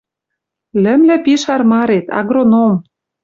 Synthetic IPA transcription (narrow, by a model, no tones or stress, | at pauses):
lɘ̆mlɘ̆piʃɑrmɑɾet̪ɑ̰ɣronom